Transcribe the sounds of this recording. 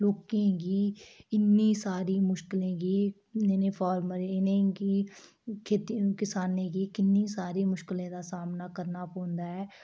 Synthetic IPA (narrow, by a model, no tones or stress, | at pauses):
loːkẽːkiːɪnːiːsaːɾiːmʊʃkɪlẽːkiː | enẽːpʰaːɾməɾenẽkiː | kʰeːt̪ikɪsaːnẽːkiːkɪnːiːsaːɾiːmʊʃkɪlẽːd̪aːsaːmnaːkəɾnaːpõːnd̪aːɦɛː